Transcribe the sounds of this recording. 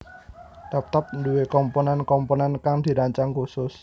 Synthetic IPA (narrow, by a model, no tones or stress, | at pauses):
d̪̥ap̚t̪ap̚nduwekɔmponɛnkɔmponɛnkaŋd̪̥i̤ɾaɲt͡ʃaŋkusʊs